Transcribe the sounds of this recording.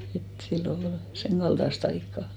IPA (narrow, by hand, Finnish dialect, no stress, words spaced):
et silːo ol seŋkɑld̥ɑst ɑikːɑˑ